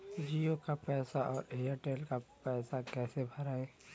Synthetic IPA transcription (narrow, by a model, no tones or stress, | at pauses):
d͡ʒiːokapɛːsaʔɔːɾeːəʈeːlkapɛːsakɛːsebʱɐɾaːeː